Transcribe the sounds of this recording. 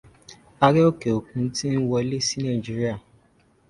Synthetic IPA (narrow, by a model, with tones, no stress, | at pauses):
a˧ɾe˦o˦ke˨o˨kũ˧˦ti˦n̩˦wɔ˧e˧le˦si˦nã˦˨d͡ʒi˦ɾi˦a˦˨